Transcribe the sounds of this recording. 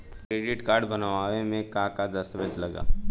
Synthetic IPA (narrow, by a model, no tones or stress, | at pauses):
kɾeːɖɪʈkaːɾɖbɐnʋaːʋemẽkaːkad̪ɐst̪əʋəd͡ʒlɐɡa̰ː